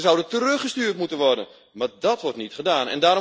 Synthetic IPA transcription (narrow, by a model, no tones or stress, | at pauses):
əzɔwdətərɵχəstyːrtmutənʋɔrdən | madɔtʋɔrtnitχədaːnɛ̰ndaːɾo